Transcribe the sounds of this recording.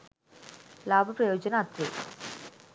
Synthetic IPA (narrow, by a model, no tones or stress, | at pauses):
laːbʱɐpɾɐjoːd͡ʒɐnɐːt̪ɾi